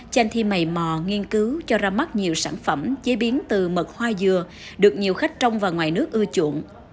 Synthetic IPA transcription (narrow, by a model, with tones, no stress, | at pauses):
t͡ɕɛ˧nt̪ʰi˧ma˨˩jmɔ˨˩ŋi˧ənkɨ˨˦wt͡ɕɔ˧zaː˧ma˦˥t̚ɲi˨˩əwsaː˧˩nfə˧˩mt͡ɕe˨˦ɓi˨˦ənt̪ɨ˨˩mə˨˩t̚hwaː˧jzɨ˨˩ə | ɗɨ˨˩ək̚ɲi˨˩əwxa˦˥jk̟̚t͡ɕə˧wŋ͡mvaː˨˩wŋwaː˨˩jnɨ˦˥ək̚ʔɨ˧ət͡ɕṵ˧˩˨ən